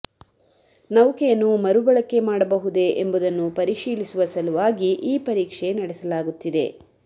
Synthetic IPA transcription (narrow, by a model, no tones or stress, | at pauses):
nɐwkejɐnːumɐɾubɐɭɐkːe̞maːɽɐbɐɦud̪e̞ʔembud̪ɐnːupɐɾiʃiːlisuʋɐsɐluʋaːɡiʔiːpɐɾiːkʂe̞nɐɽɛsɐlaːɡut̪ːid̪e